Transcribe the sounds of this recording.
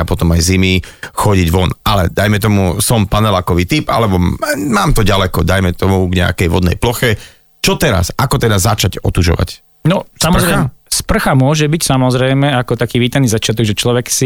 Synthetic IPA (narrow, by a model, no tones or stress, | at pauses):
apɔt̪ɔmajzimixɔɟiɟʋɔnalɛ̰d̪ajmɛt̪ɔmusɔmpanɛlakɔʋiːt̪ipa̰lɛbɔmaːmt̪ɔɟalɛkɔd̪ajmɛt̪ɔmuɡɲɛa̰kɛjʋɔ̰d̪nɛ̰jplɔxɛ | t͡ʃɔt̪ɛɾa̰sakɔt̪ɛd̪azat͡ʃaɟɔ̰t̪uʒɔ̰ʋa̰c | nɔsamɔzɾspr̩xamʊɔʒɛbicsamɔzɾɛjmɛakɔt̪akiːʋiːt̪aniːzat͡ʃɪat̪ɔɡʒɛt͡ʃlɔʋɛksi